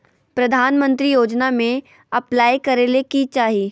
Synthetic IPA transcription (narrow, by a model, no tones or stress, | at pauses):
pɾɐd̪ʱaːnmə̃nt̪ɾijoːd͡ʒnamẽ | ɐplaːikɐɾelekit͡ʃaːɦiː